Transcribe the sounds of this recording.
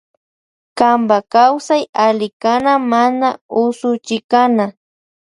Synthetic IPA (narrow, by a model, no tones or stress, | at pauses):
kambakawsajalɪkanamanaʊsʊt͡ʃɪkana